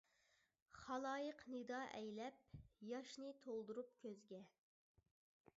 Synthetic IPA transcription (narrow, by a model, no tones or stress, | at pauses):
χɑlˠɑːjəqnɨd̪ɑːʔɛjlɛp̚jɑʃnɨt̪ʰolˠd̪uɾup̚kʲʰøzɡʲɛ